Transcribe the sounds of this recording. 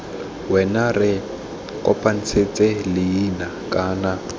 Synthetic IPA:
wɛnarɪ | kʼɔpʼan̩t͡sʰet͡sʼelɪjinakʼaːna

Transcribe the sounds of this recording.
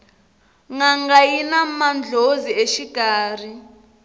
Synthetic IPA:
ŋaŋɡajinamand͡ɮʱozieʃiɡ̥ʱaːr̤i

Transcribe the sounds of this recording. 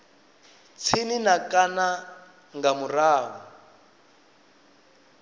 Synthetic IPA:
t͡sʰininakʼana | ŋɡamuraːwɔ

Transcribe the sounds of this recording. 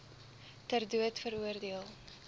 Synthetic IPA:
tərduətfəɾuərdiəlˠ

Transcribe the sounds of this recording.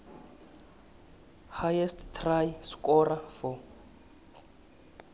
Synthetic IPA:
hajɛstʰt̪ʰrajskʼɔrafɔ

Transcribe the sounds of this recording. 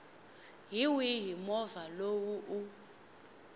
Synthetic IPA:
ɦiwiɦimɔvalowuʔu

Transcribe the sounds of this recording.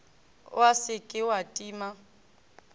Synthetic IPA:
ʊ̰asɪkʼɪwatʼiːma

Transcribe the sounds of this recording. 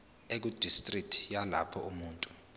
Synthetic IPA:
ek̬ud̥ʱistʼrik̚tʰi̥jala̰pʰɔumuːntʼu̥

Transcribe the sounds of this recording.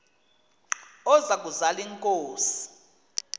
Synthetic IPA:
ɔzak̬ʼuzaliŋkʼoːsi̥

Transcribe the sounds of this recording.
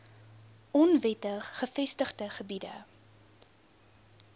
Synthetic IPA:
ɔnvɛtəχəfɛstəχdəχəbidə̰

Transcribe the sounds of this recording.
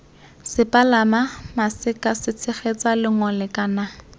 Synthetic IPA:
sɪpʼalamamasɪkasɪt͡sʰɪχet͡salɪŋɔlɛkʼana

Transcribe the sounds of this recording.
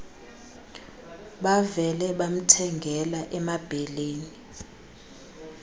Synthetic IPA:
ɓavɛlɛɓam̩tʰɛŋɡʱɛlaʔɛmab̥ʱeleːni

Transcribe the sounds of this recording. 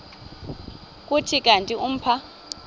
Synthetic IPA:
k̬ʼutʰik̬ʼantʼium̩pʰa

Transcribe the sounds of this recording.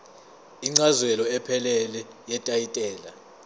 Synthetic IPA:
iŋ͡ǀazwɛlɔɛpʰɛlɛlɛ | jɛtʼajitʼɛːla̰

